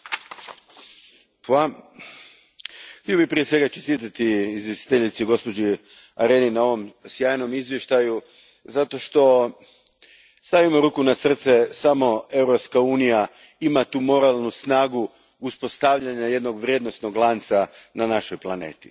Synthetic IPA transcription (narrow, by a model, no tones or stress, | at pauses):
pwa | t̪ijobipɾije̞sʋe̞ɡat͡ʃest̪it̪at̪iːzjest̪i̥t̪eʎit̪siɡo̞spo̞d͡ʒi | aɾe̞ːninao̞ʋo̞msjaːjno̞mizʋjeʃt̪aju | zat̪o̞ʃt̪o̞ | st̪aʋimoɾuːkunasr̩t̪sesamo̞e̞wɾopskauːnija | imat̪uːmo̞ɾalˠnusnaːɡu | uspo̞st̪aʋʎaɲaje̞d̪no̞ɡʋɾʲje̞d̪no̞st̪no̞ɡlˠaːnt̪sananaʃojplˠanḛːt̪i̥